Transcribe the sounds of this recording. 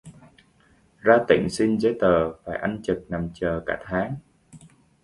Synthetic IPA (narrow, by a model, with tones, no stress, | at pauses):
zaː˧t̪ï˧˩ŋ̟sï˧nze˧˦t̪əː˨˩faː˧˩jʔa˧nt͡ɕɨ˨˩k̚na˨˩mt͡ɕəː˨˩kaː˧˩t̪ʰaː˨˦ŋ